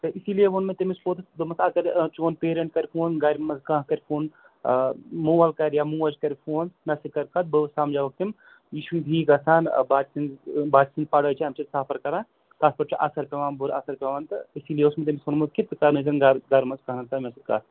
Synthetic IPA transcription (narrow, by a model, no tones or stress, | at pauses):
t̪ɨʔisiːlijeʋonmet̪ɐmispoːt̪ɨd̪ɨmɐsɐkɐɾt͡ʃoːnpeːɾɐɳʈ̚kɐɾʲfʰoːnɡɐɾmɐzɡãːɦkɐɾʲfʰoːn | muːʋɐlkɐɾjamuːʋɐd͡ʒkɐɾfʰoːnnɐsikɐɾkɐt̪̚bɨsaːmd͡ʒaːʋɐk̚t̪im | jiːʃid̪ʱiːɡɐsaːn̰baːt͡ʃsinbaːt͡ʃsinzpɐɽɐːt͡ʃʰiɐmt͡ʃit̪saːpʰɐɾkɐɾaː | t̪aːspɐʈt͡ʃɐʔɐ̰sɐɾpʲɐʋaːnbuɾɐsɐɾpʲɐʋaːnt̪ɐisiːlijeʊsmet̪̬ɐmisoːnmukit̪kɐɾnɐzɐnɡɐɾɡɐɾmɐskɐɦnɐt̪ɐmʲɐsikɐ̰ːt̪